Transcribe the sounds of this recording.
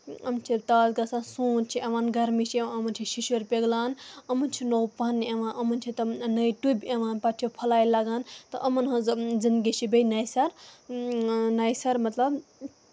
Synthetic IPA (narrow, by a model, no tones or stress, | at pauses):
ɐmt͡ʃʰit̪aːzɡɐsãːnsuːnt͡ʃʰiʔɐʋãːnɡɐɾmit͡ʃʰieʋãɐmɐnt͡ʃʰiʃiʃuɾpʲeɡlaːnɐmɐnt͡ʃʰinowpanːiɐʋãːnʔɐmɐnt͡ʃʰit̪ɐnɐjʈubʲeʋãːnpɐʈʰijopʰɐlaːjlaɡaːnt̪ɐʔɐmɐnɦɐzd͡zɐnɡit͡ʃʰibejnɐjsɐɾ | najsɐɾmɐt̪lɐb